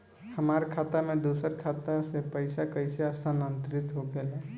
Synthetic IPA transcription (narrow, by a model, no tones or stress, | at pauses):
hɐmaːɾekʰaːt̪amẽd̪uːsəɾkʰaːt̪asepɐɪsakəɪseəst̪ʰanə̃nt̪ɾɪt̪ɦoɡeleː